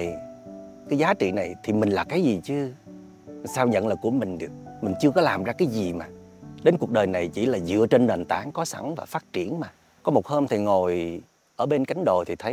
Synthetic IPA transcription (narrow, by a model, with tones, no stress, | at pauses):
kaː˨˦jzaː˨˦t͡ɕḭ˧˨na˨˩jt̪ʰi˨˩mï˨˩ŋ̟laː˨˩kaː˨˦jzi˨˩t͡ɕɨ˨˦ | saː˧wɲə̰˧˨nlaː˨˩ku˧˩əmï˨˩ŋ̟ɗɨ˨˩ək̚mï˨˩ŋ̟t͡ɕɨ˧əkɔ˨˦laː˨˩mzaː˧kaː˨˦jzi˨˩maː˨˩ | ɗe˨˦nku˨˩ək̚ɗəː˨˩jna˨˩jt͡ɕḭ˧˩laː˨˩zɨ̰˧˨ət͡ɕe˧nɗaː˨˩nt̪aː˧˩˦ŋkɔ˨˦sa̰˧˩ŋvaː˨˩faː˦˥t̚t͡ɕi˧˩ənmaː˨˩ | kɔ˨˦mo˨˩t̚həː˧mt̪ʰi˨˩ŋo˨˩j | ʔəː˧˩ɓe˧nka˨˦jŋ̟ɗo˨˩t̪ʰi˨˩t̪ʰə˨˦j